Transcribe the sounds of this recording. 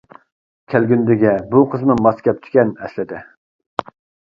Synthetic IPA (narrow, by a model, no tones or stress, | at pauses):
kʲʰælɡʲynd̪ɪɡʲɛbuqʰəzmɨmɑskʲɛp̚t͡ʃ̪ʰi̥kʲɛnɛ̰slɪd̪ɪ